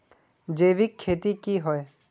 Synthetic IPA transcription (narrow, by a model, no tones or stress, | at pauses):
d͡ʒeːʋikʰːeːt̪ikiːɦɔe